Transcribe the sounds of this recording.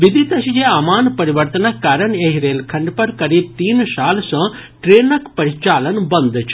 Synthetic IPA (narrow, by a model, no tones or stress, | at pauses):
ʋɪd̪ʱit̪ɐʃid͡ʒeaːmaːnpɐɾɪʋəɾt̪ənəkːaːɾəɳeɦiɾeːlkʰɐ̃ɳɖpɐɾkɐɾiːb̚t̪iːnsaːlsɐ̃ | ʈɾeːnəkpɐɾɪt͡ʃaːlənbɐ̃nd̪t͡ʃʰ